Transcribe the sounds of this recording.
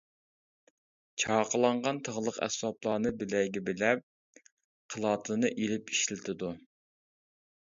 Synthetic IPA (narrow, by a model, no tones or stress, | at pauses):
t͡ʃʰɑːqʰəlˠɑɴʁɑnt̪ʰəʁlˠəqɛ̰swɑplˠɑːnɨbɪlɛjɡʲɛbɪlɛp̚ | qʰəlˠɑːt̪ʰɨnɨʔelɪpi̥ʃlɪt̪ʰɪd̪u